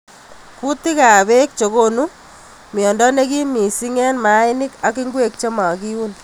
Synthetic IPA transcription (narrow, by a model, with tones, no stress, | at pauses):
ku˦ti˦ka˨βe˦k̚t͡ʃo˨ko˦nu˦ | mjɔ˨ndɔ˦ne˦ki˦mi˨si˦ŋɛ˦nma˨˦i˦ni˦ka˨ki˦ŋɡwe˦k̚t͡ʃe˦ma˨ki˦wu˦n